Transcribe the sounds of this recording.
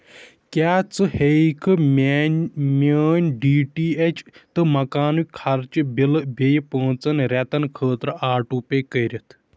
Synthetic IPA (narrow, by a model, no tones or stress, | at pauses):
kaːt͡sɨheikʰɨm | məːnʲɖiːʈiːet͡ʃʰt̪ɨmɐkaːnukʰɐɾt͡ʃibilbejpəːt͡sɐnɾʲɛt̪ɐnkʰəːt̪ɾaːʈuːpeːkəjɾit̪ʰ